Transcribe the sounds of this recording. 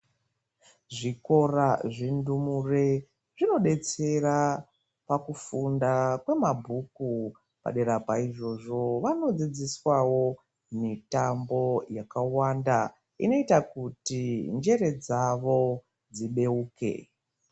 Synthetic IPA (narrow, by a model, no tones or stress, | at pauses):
ʐiko̞raʐindumure̞ | ʐino̞ɗe̞t͡se̞ra | pakufundakwe̞mabʱuku | pa̰ɗe̞ɾapaiʐo̞ʐo̞ʋano̞d͡zid͡ziswawo̞ | mitambo̞jakawanda | ḭno̞itakutind͡ʒe̞ɾe̞d͡zaʋo̞ | d͡ziɓe̞uːke̞̰